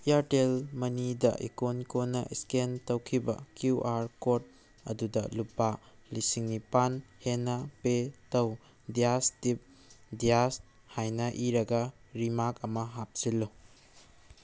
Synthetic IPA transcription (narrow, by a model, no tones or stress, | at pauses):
ijaɾtelmɐnidɐ̰ʔikonkonːɐ̰ʔiskentɐwkʰibɐ̰kjuʔaɾkot̚ | ɐ̰dudɐ̰lupa | lisiŋnipanhenɐpetɐw | dijastip̚ | dijas | hajnɐʔiɾɐɡɐɾimakɐmɐɦap̚silːu